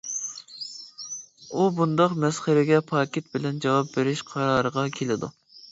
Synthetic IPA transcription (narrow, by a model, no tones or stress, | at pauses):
ubund̪ɑqmɛsχəɾɪɡʲɛpʰɑːkʲit̪̚bɪlɛnd͡ʒɑwɑp̚beɾɪʃqʰɑɾɑːɾəʁɑkʲʰelɪd̪ṵ